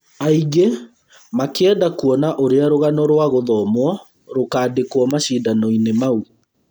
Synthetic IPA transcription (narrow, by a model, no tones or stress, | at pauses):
aiɡe | makeɛdakuɔnaʔoɾeaɾoɣanɔɾwaɣoðɔmwɔ | ɾokaːdekwɔmaʃidanɔinemau